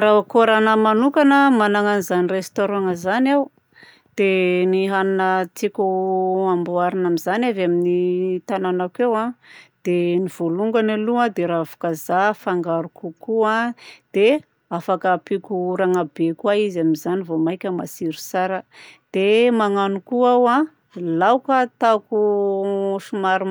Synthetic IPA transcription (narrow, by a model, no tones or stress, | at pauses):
ɾakuɾanəmanukanəmanaŋanizanirest̪oɾaŋəzanaw | d̪̥eniɦaninət͡sikʲuambuaɾinamizanavaminit̪ananakewãd̪̥eniv̥oluŋɡanaluãd̪eɾaavu̥kazafaŋɡaɾukukuãd̪̥e | afakəpikuɾaŋabekwaizamizanivomajkʲəmasiɾu̥saɾəd̪̥emaŋanukuawa | lawkat̪aku | ʃumaɾu